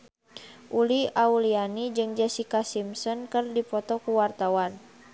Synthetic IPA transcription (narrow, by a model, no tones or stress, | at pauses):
ʔuliaulianid͡ʒɨŋd͡ʒɛsikasimsɔnkɨrdipɔt̪ɔkuwart̪awan